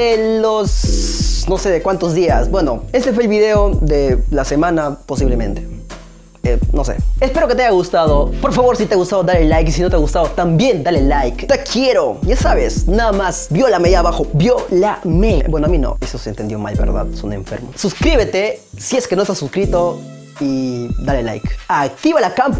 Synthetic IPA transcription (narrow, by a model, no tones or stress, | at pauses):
elos | no̞seðekwant̪ozðiasbwe̞no̞e̞st̪e̞fweeːlβiðe̞oðelase̞mãnapo̞siβlemẽ̞̰nt̪e̥ | enosḛespe̞ɾoket̪eajaɣust̪aðopo̞ɾfaβo̞ɾsit̪eaɣust̪aðoðaɾelajkisino̞t̪eaɣust̪aðot̪ambje̞nd̪alelajkt̪ekʰje̞ɾojasaβesnaðamasbjolameðjaβaxobjolamebwenoamino̰esosent̪enjoma̰lbḛɾða̰ðsonḛɱfḛɾmosuskɾiβe̞t̪esieskenoest̪asuskɾit̪o | id̪alela̰jkakt̪iβalakamp